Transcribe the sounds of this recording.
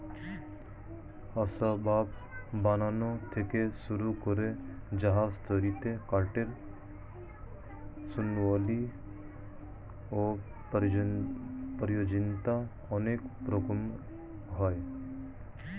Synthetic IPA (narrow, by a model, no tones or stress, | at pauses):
asabaːp̚ | baːnaːnot̪ʰekesuɾukɔɾed͡ʒəɦast̪ʰəɾit̪ekaːʈeɾ | sʊnʋaːli | oː | pəɾjoːd͡ʒɪnt̪a | ɔneːkpɾoɡom | ɦɔj